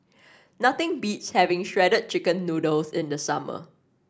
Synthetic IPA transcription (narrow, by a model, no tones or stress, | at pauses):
nat̪ɪ̃ŋbitshɛvɪ̃ŋʃɹɛdəd̚t͡ʃɪkə̃nːudəlsɪ̃ndəsamə̰